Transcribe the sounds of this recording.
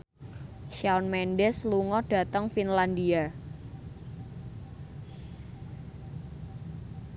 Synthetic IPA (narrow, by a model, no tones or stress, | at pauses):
ʃaɔnmɛnɖɛsluŋɔɖ̥a̤t̪əŋfinland̪ia